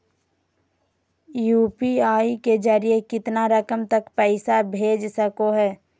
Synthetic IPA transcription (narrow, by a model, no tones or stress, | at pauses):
juːpiaːiked͡ʒəɾijekɪt̪naɾəkəmt̪əkpɛɪsabʱeːd͡ʒsəkoɦɛː